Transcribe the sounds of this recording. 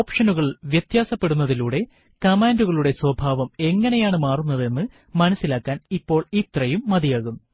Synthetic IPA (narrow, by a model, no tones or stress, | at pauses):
oːpʂɐnuɣɐɭʋjɐt̪jaːsɐpːe̞ɽunːɐðiluːɽe̞ | kɐmaːnduɣɐɭuɽe̞swɐbʱaːʋɐme̞ŋːɐnejaːɳɨmaːrunːɐðe̞nːɨ | mɐnɐsːilaːkːaːnipːo̞ːɭit̪rɐjumːɐd̪ijaːɣunːu